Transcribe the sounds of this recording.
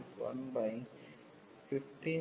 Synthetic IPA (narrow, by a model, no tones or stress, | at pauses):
ʋɐ̰nbɐɪ | fɪft̪i